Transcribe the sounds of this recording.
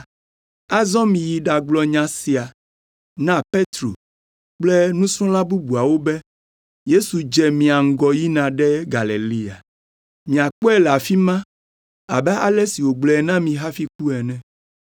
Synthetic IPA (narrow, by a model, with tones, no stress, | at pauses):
a˦zɔ̃˦mĩ˨ji˨ɖa˨ɡ͡blɔ˨ɲã˨si˨a˨ | nã˦pe˦t̪ɾo̰˨ | k͡ple˦nũ˦sɔ̃˦la˦bu˦bu˨a˨wo˦bɛ˦ | je˦su˨d͡ʒɛ˨mĩ˨a˨ŋ̩˦ɡɔ˨ji˦nã˨ɖɛ˦ɡa˨le˨li˦a̰˨ | mĩ˨a˨k͡pɔ˦ɛ˦la˨fi˦mã˦ | a̰˨bɛ˦ʔa˦lɛ˦si˨wo˨ɡ͡blɛ˨nã˦mĩ˨ɦa˦fi˦ku˦ɛ˨nɛ̃˦